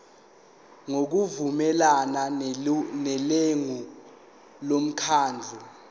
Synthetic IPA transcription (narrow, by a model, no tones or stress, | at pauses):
ŋok̬uvumɛlana | nɛleŋu | lom̩kʰaːnd͡ɮʱɛ